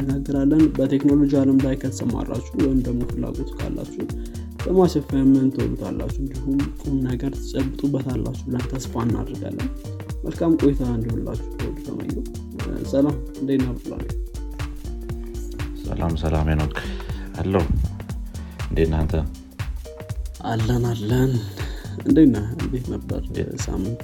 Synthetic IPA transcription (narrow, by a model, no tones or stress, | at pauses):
ɡaɡːəɾalːənbət̪ʰe̞kno̞lo̞d͡ʒialəmblajkʰət̪səma̰rːa̰t͡ʃːuwɔjɪmd̪əɡmo̞fɨlːa̰ɡo̞t̪kʰa̰lːa̰t͡ʃːu | bəmaʃɛfajɛmːənɨnt̪ʰəw̰lut̪ʰa̰lːa̰t͡ʃːuɨnd̪ihumkʼumnəɡəɾt̪ʰɨt͡ʃʼəbːɨt̪ʼubːət̪ʰalːat͡ʃːubɨlənt̪ʰəsfanːa̰d̪ɾəɡa̰lːən | məlkʰamkʼo̞jit̪ʰand̪iholːat͡ʃːu̥əwo̰dut̪ʰə̰mə̰jːɛ | səlamɨnd̪ejnab̪la̰n | sə̰lamsəlamenokʰalːəh | ɨnd̪enant̪ʰə | ʔalːənalːənɨnd̪əjnabet̪nəbːə̰ɾ̰sa̰mːɨnt̪